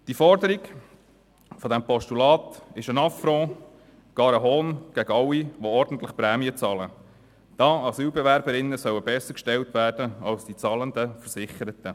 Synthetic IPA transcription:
d̥ifɔɾdəɾiɡ | fɔd̥̪æmpɔʃtulɑːt̪ɪʃənɑfɾɔ̃ | ɡ̥ɑːɾəɦoːnɡ̥æɡəɑwːiʋoɔɾd̥ən̩t̪ləχpɾæːmiət͡sɑːlə | d̥ɑːɑsyːlbɛvæɾbəɾɪnːəsœwəbɛsːəɾkʃtɛltvæːrd̥əɑlsd̥it͡sɑlənd̪əfəɾsɪχəɾət̪ə

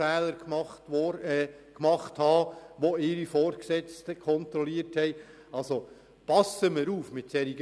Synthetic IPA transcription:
ɛːləɾkmɑt | kmɑχthɑːʋoɪːɾifɔːɾksɛt͡stəkʰχɔnt̪ɾɔliəthɛɪ | ɑlso | pɑsəməɾuːfmɪt̚sɛɾiɡ

